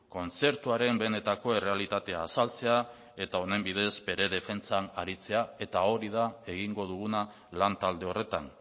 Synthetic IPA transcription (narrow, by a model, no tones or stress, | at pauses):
ko̞nt͡se̞ɾt̪uaɾe̞mbe̞ne̞t̪ako̞e̞re̞alit̪at̪e̞aːsalt͡se̞a | e̞t̪ao̞ne̞mbið̞e̞zbe̞ɾe̞ðe̞fe̞nt͡sanaɾit͡se̞ae̞t̪ao̞ɾiðae̞ɣiŋɡo̞ðuɣ̞una | lant̪ald̪e̞o̞re̞t̪an